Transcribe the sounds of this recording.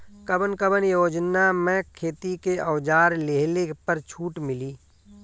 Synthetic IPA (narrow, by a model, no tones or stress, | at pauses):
kəbənkəbənjoːd͡ʒnamɛ̃kʰeːt̪ikeʔɔwd͡ʒaːɾleɦlepəɾt͡ʃʰuːʈmɪliː